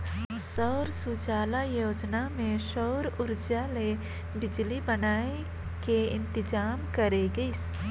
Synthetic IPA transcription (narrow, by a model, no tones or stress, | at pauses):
sɔʊɾsud͡ʒaːlajoːd͡ʒnamẽʃɔːɾʊɾd͡ʒale | bɪd͡ʒlibənaːe | keɪ̃nt̪ɪd͡ʒaːmkəɾeɡəs